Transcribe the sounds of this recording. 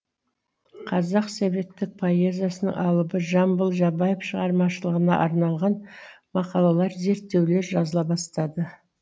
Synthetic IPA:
qʰɑzɑqsebe̞t̪ːɪk̚pʰo̞ezjasənə̰ŋʔɑlˠəbəʒɑmbəlˠʒɑbɑjefʃəʁɑɾmɑʃəlˠəʁənɑ̰ʔɑɾnɑlˠʁɑnmɑqɑlˠɑlˠɑɾze̞ɾt̪ːe̞wle̞ɾʒɑzəlˠɑbɑst̪ɑd̪ə

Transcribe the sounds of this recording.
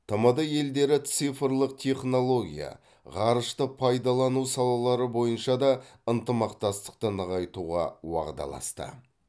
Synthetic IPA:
t̪ʰəməd̪əje̞ld̪e̞ɾɪt̪sifrlˠəq̚t̪ʲʰe̞χno̞lˠo̞ɡʲḭja̰ | ʁɑɾəʃt̪əpʰɑjd̪ɑlˠɑnusɑlˠɑlˠɑɾəbo̞jənʃɑd̪ɑənt̪əmɑqt̪ɑst̪ə̥q̚t̪ənəʁɑjt̪uʁɑwɑ̰ʁd̪ɑ̰lˠɑ̰st̪ə̰

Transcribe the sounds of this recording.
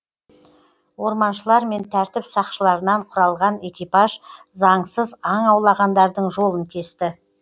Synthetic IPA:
wo̞ɾmɑnʃəlˠɑɾme̞nt̪ʰæɾt̪ɪpsɑqʃəlˠɑɾənɑɴqʰʊɾɑlˠʁɑne̞kʲijpɑʒ | zɑɴsəzɑɴɑwlˠɑʁɑnd̪ɑɾd̪əɴʒo̞lˠəŋkʲʰe̞st̪ɪ

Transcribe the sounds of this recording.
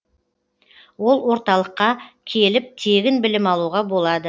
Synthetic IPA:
wo̞lˠwo̞ɾt̪ɑlˠəqːɑkʲʰe̞lɪp̚t̪ʰe̞ɡʲɪnbɪlɪmɑlˠuʁɑbo̞lˠɑd̪ə

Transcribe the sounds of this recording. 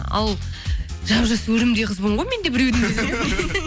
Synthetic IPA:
ɑ̰lˠʒɑbʒɑswɵɾɪmd̪ejqʰəzboɴʁojme̞nd̪ebɪɾewd̪ɪmeze

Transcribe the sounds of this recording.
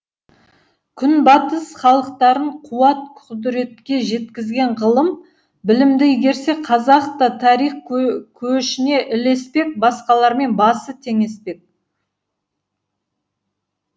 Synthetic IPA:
kʲʰʏnbɑt̪əsχɑlˠəq̚t̪ɑɾəɴqʰuɑt̪̚qʰʊd̪ɾe̞t̪kʲe̞ʒe̞t̪kʲɪzɡʲe̞ɴʁəlˠəm | bɪlɪmd̪ɪɡʲe̞ɾse̞qʰɑzɑqt̪ət̪ʰɑɾijχkʲʰɵʃɪne̞ʔɪle̞spe̞k̚bɑsqɑlˠɑɾme̞nbɑsət̪ʰe̞ŋe̞spe̞k̚

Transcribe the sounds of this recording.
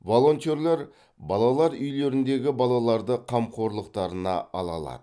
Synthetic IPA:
vo̞lˠo̞nt̪eɾleɾ | bɑlˠɑlˠɑɾʏjle̞ɾɪnd̪e̞ɡʲɪbɑlˠɑlˠɑɾd̪əqʰɑmqʰo̞ɾlˠəqt̪ɑɾənɑ̰ɑlˠɑ̰lˠɑ̰d̪̥ə

